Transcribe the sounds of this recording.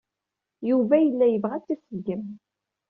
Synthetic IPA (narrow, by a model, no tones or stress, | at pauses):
juvæjəlːæjəvʁæt͡sːæsəɡəm